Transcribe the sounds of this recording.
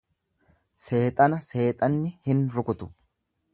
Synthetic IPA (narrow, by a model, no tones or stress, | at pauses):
se̞ːt̪ʼɐnɐse̞ːt̪ʼɐnːɪhɪnɾʊkʊt̪ʊ̥